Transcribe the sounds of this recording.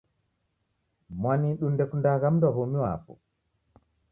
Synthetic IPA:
mwaniɗundɛkundaɣamdaɦomiwa̰pɔ̰

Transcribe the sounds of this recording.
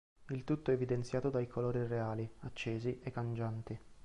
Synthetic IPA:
ilt̪ut̪ːoɛvid̪ent̪sjaːt̪od̪ajkʰoloːɾireaːliat͡ʃːeːziʔekːand͡ʒant̪i

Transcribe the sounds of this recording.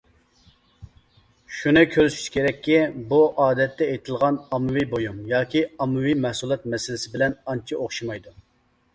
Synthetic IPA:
ʃunɨkʲʰøɾyʃy̥t͡ʃkʲʰeɾɛkʲʰːibuʔɑːd̪ɛt̪ːɛejt̪ʰɪlˠʁɑnɑmɨwibojumjɑːkʲiɑmːɨwimɛhsulˠɛt̪̚mɛsɪlɪsɪbɪlɛnɑnt͡ʃʰiʔoχʃimɑjd̪u

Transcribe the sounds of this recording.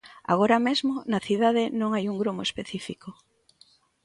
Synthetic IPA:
a̰ɣ̞oɾamezmonɐθiðaðɪnõŋajuŋɡɾomoespeθifiko

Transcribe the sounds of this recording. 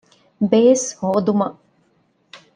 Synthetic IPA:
beːshoːd̪umɐʔ

